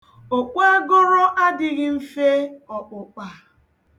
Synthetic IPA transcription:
o˨k͡pʷa˦ɡo˦ɾɔ˦ʔa˦dɪ˦ɣɪ˦m̩˦fe˦ɔ˨k͡pʊ˨k͡pa˨

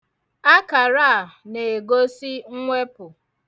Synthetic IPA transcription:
a˦ka˨ɾa˦˨ne˨e˨ɡo˦si˦ŋ̩˦ŋʷe˦pʊ˨

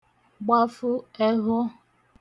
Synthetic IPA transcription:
ɡ͡ba˦fʊ˦e˦ɦʊ˦

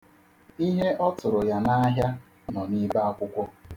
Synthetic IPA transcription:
i˦ɦe˦ʔɔ˦tʊ˨ɾʊ˨ja˦na˦ɦja˦ | nɔ˨ni˦ba˦a˦kʷʊ˦kʷɔ˦

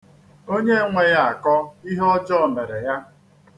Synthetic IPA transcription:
o˦ɲe˦ŋʷe˨ja˦˨a˨kɔ˦i˦ɦɔ˦d͡ʒɔ˦˨me˨ɾe˨ja˦

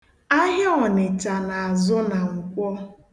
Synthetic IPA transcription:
a˦ɦɪ˦ɔ˨nɪ˨t͡ʃa˨na˨a˨zʊ˦na˨ŋ̩˨kʷɔ˦

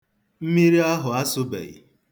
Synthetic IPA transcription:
m̩˦mi˦ɾi˦a˦ɦʊ˨a˦sʊ˦bḛ˨jḭ˨

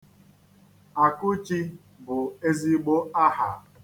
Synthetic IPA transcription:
a˨kʊ˦t͡ʃi˦ | bʊ˨e˦zi˦ɡ͡bo˦a˦ha̰˨

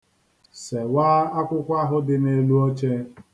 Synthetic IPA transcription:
se˨waː˦a˦kʷʊ˦kʷa˦ɦʊ˦dɪ˨ne˨lu˦o˦t͡ʃe˦

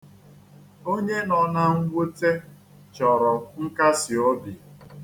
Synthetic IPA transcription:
o˦ɲe˦nɔ˨na˦ŋ̩˦ɡʷo˦te˦ | t͡ʃɔ˨ɾɔ˨ŋ̩˦ka˦sɪ˨o˦bi˨

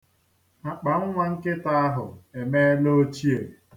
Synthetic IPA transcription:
a˨k͡pa˨ŋ̩˦ŋʷa˦ŋ̩˦kɪ˦ta˦a˦ɦʊ̰˨e˨me˦lo˦t͡ʃi˦e˨

